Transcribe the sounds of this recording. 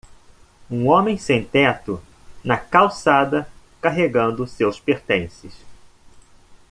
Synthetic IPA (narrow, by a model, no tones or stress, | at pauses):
ũõmẽj̃sẽt̪ɛt̪ʊ | nɐkawsad̪ɐ | kaɦeɡɐ̃nd̪ʊsewspeɾt̪ẽsɪs